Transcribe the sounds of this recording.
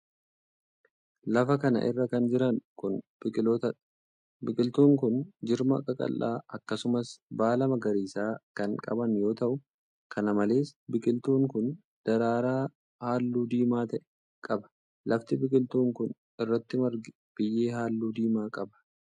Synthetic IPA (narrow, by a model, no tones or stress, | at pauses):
lɐfɐkɐnɐ̰ʔɪ̰rːɐkɐnd͡ʒɪɾɐŋkʊnb̥ɪkʼɪloːt̪ɐᶑɐ̥ | bɪkʼɪlt̪uːŋkʊnd͡ʒɪɾmɐkʼɐkʼɐ̰lːa̰ːʔɐkːɐsʊmɐsbaːlɐmɐɡɐɾiːsaːkɐŋkʼɐ̰bɐnjo̞ːt̪ɐʔʊ | kʰɐnɐmɐle̞ːsbɪkʼɪlt̪uːŋkʊn | d̪̥ɐɾaːɾaː | haːlːuːd̪iːmaːt̪ɐʔɛ | kʼɐbɐ̥ | lɐft̪ɪbɪkʼɪlt̪uːŋkʊn | ɪrːɐt̪ːɪmɐɾɡɪ | b̥ɪjːeːɦaːlːuːd̪iːmaːkʼɐbɐ̥